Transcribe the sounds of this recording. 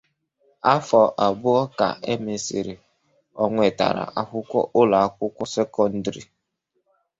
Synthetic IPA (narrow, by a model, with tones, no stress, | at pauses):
a˦fɔ˨ʔa˨bʊ˦ɔ˦ka̰˨ʔe˦me˨si˨ɾi˨ | ɔ˨ŋʷe˨ta̰˨ɾa̰˨ʔa˨kʊ˦kʷɔ̰˦ʔʊ˦la˨a˦kʷʊ˦kʷɔ˦se˦kɔ˦n̩˦dɾḭ˨